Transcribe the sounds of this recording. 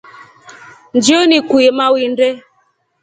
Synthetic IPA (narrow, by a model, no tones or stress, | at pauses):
n̩d͡ʒionikʷuemawin̩de